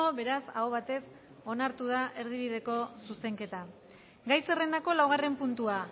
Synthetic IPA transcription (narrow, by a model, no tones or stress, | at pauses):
oβe̞ɾasa̰oβat̪e̞s | o̞naɾt̪uð̞aʔe̞ɾð̞iβiðe̞ko̞suse̞ŋke̞t̪a | ɡajse̞re̞nd̪ako̞lawɣ̞are̞mpunt̪ua